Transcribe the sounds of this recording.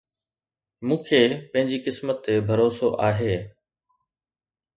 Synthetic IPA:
mũːkʰeːpɐ̃ɦɪ̃ɲd͡ʑikɪsmət̪ːebʱɐɾoːsoʔaːɦeː

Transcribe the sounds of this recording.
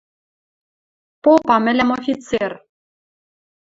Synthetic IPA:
popɑmɘ̆lʲæmofʲit͡ser

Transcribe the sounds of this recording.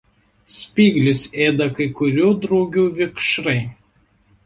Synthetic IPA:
sʲpʲiːɡlʲʊseːd̪ɐkɐɪkʊɾʲuːd̪ɾɒʊɡʲuːʋʲɪkʃɾɐɪ

